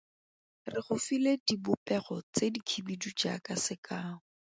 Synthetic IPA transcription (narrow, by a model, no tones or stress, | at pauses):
rɪχʊfiledibʊpɛχɔt͡sedikʰibidud͡ʒa̰kasɪkaːŋʊ